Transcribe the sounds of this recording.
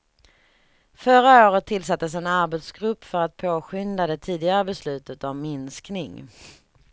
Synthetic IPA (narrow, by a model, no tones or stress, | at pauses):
fœɾaoːɾət̪ʰːɪlsat̪ːəs̬ɛnaɾbɛt̪sɡɾɵpːfœɾat̪̚pʰoːɧʏnd̪ad̪ɛt̪ʰiːd̪ɪɡaɾəbɛslʉ̟ːt̪ət̪ɔmːɪnsknɪŋ